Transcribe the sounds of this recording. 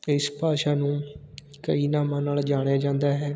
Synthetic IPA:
ɪspaːʃaːnũː | kə̰iːnaːmãːnaːld͡ʒaːɽ̃jaːd͡ʒãːnd̪aːɦɛː

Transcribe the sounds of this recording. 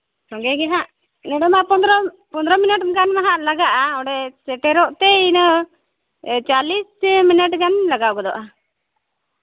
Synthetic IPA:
sɔ̃ɡɛɡɛɦãʔ | nɛɽɛmapɔnd̪ɾɔ | pɔnd̪ɾɔminəʈɡanmaɦaʔlaɡaʔaɔɽɛsɛʈɛɾɔʔt̪ɛinə | t͡ʃalisminəʈɡanlaɡawɡɔd̪ɔʔa

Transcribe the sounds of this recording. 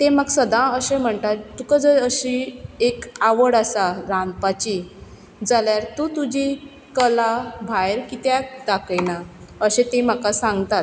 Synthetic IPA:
t̪eməɡsəd̪ãəɕem̤əɳt̪att̪ukəd͡zəɾəɕiekaʋəɽasaɾand̪pat͡ɕi | d͡zaljaɾt̪ut̪ud͡ʑi | kəlabʱajɾkit̪jad̪akəjnaəɕet̪em̤akasãŋɡt̪at̪

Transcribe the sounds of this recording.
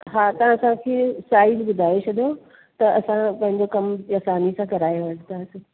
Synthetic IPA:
ɦaːt̪ɐʋãɐsãkʰeːsaːɪzbʊd̪ʱaːɪt͡ɕʰɐd̪jo | t̪ɐɐsãpɐ̃ɦɪ̃ɲd͡ʑokɐmjasaːnisãkɐɾaːjʋɐʈʰt̪asɪ

